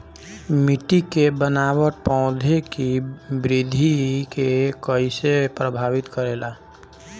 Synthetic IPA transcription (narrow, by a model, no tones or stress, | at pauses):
mɪʈikebənaːwəʈpɔ̃ʊd̪ʱekibɾɪd̪ʱikekəisepɾəbʱaːʋɪt̪kəɾeːlaː